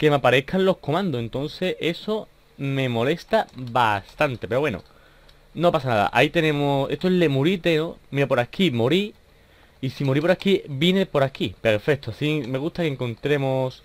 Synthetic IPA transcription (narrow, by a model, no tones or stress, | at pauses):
ke̞mapaɾe̞kʰanlo̞hko̞mãnd̪oe̞nt̪o̞n̟θe̞ʔe̞so̞ | mẽ̞mo̞le̞st̪abast̪ant̪e̞peɾowe̞no̰ | no̞pasanaða̰ʔa̰it̪e̞nẽmose̞st̪oele̞muɾit̪e̞nomiɾapo̞ɾakʰimo̞ɾiː | simoɾipo̞ɾakibjinepo̞ɾakipe̞ɾfe̞k̚t̪oasime̞ɣ̞ust̪akeŋkõ̞nt̪ɾe̞mos